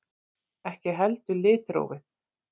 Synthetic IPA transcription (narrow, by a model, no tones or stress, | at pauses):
ɛhcɪɦɛlt̪ʏlɪːt̪ɾo̰ːwvɪθ